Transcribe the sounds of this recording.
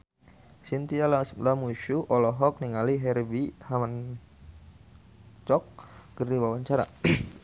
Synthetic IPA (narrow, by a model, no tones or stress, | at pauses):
sint̪ialasəlamuʃuʔɔlɔɦɔk̚niŋaliɦɛrbihaman | t͡ʃɔk̚kərdiwawaɲt͡ʃaɾa̰